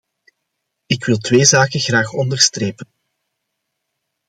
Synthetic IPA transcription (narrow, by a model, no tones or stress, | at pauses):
ɪkwɪlˠtweːzaːkəɣraːxɔndərstreːpən